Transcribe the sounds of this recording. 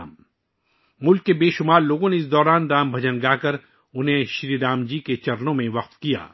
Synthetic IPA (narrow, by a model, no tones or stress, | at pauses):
m | mʊlkːebeːʃʊmaːɾloːɡõneɪs̬d̪ɔːɾaːnd̪aːmbʱɐd͡ʒənɡaːkɐɾ | ʊnɦẽʃɾiːɾaːmd͡ʒiːket͡ʃɐɾnõmẽʋɐq̚t̪kija̰ː